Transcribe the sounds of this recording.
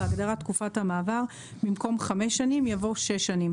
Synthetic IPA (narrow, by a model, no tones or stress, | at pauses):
aɡdaʁatkufathamaːvaʁ | mimko̞mχameʃːanimjavo̞ʃeʃːanim